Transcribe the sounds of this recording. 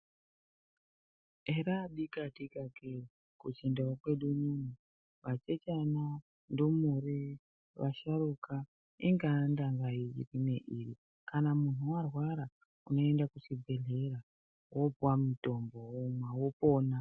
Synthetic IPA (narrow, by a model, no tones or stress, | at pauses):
eɾaɗikadikake | kut͡ʃindawakwe̞ɗuɲumi | ʋat͡ʃet͡ʃana | ndomuɾi | ʋa̰ʃaɾuka | iŋɡandaŋɡaiḭrineʔiri | kanamun̤uwarwaɾa | uno̞endakusibʱe̞ɮe̞ɾa | wo̞bwamuto̞mbo̞omwawopo̞ːna